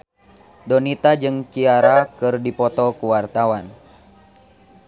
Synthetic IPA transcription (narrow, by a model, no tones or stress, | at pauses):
dɔnit̪ad͡ʒɨŋkiaɾakɨrdipɔt̪ɔkuwart̪awan